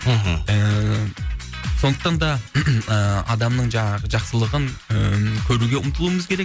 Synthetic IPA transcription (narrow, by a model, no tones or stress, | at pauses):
ɦə | so̞nd̪əqt̪ɑnd̪ɑəɑd̪ɑmnəɴʒɑɴɑʁəʒɑqsəlˠəʁəŋəkʲʰɵɾuɡʲeʊmt̪ʰəlˠuwəməzkʲʰe̞ɾek